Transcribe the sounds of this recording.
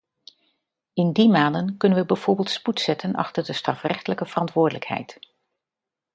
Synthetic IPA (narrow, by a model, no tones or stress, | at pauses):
ɪndimaːndənkɵnənʋəbɛjv̥oːɹbɪːlˠtsputsɛtʰənʔɑ̰χtəɹdəstrɑfrɛχtələkəv̥ərɑntʋʊːɹdələkɦɛ̰jt